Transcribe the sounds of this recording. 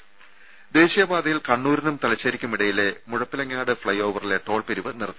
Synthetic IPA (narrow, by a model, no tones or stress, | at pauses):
d̪e̞ːɕijɐbaːd̪ɐjilkɐɳːuːɾɐnumt̪ɐlɐt͡ɕːɐɾikʲːumiɽɐjilemuɻɐpːilɐŋːaːɽɨfɭɐjo̞ːʋɐrileʈːo̞ːɭpeɾuʋɨnirt̪ːɨ